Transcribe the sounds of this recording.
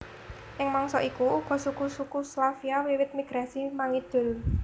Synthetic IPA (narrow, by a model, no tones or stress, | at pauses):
ʔɪŋmaŋsɔ̰ʔikuuɡ̥ɔ̤sukusukuslafiawiwɪt̪̚miɡ̥ɾasimaŋid̪̥ʊ̤l